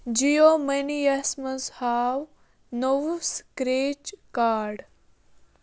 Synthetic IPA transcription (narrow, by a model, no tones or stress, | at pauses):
d͡ʒijoːmɐnijɐsmɐzhaːw | nowskɾeːt͡ʃkaːɾɖ